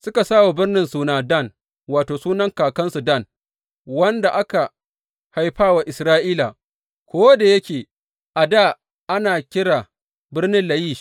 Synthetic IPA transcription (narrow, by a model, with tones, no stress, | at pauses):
sʊ˦ka˨saː˦wa˨bɪ˦rnɪ˦nsuː˨naː˨da˦˨n | waː˨toː˨suː˦nɐ˦ŋkaː˨kɐ˦nsu˨dɐ˦˨n | wɐ˦nda˨ʔa˦ka˨ | ha˨jɸaː˦wa˨ʔɪ˨sɾaː˦ʔiː˦la˨ | kʷoː˦da˨jɐ˦kʲeː˨ | ʔa˨daː˦˨ | ʔa˦naː˨kʲɪ˦ɽaː˨ | bɪ˦rnɪ˦nlɐ˨jiː˦˨